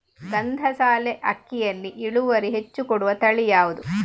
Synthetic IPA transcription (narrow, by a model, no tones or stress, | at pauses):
ɡɐnd̪ʱɐsaːleʔɐkːijɐnːiʔiɭuʋɐɾiɦet͡ʃːukɔɽuʋɐt̪ɐɭijaːʋud̪u